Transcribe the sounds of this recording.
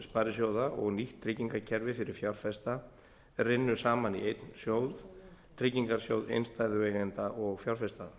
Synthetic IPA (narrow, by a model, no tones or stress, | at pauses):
spaːɾɪsjowðaʔɔ̰ɣniht̪ʰːɾɪciŋkacʰɛɾvɪfɪɾɪɾ̥fjawɾ̥fɛst̪a | rɪnːʏsaːmanḭejt̪nsjowðt̪ʰɾɪciŋkaɾ̥sjowðḛjnst̪aːjðʏvɛːɣɪnt̪aʔɔɣfjawɾ̥fɛst̪a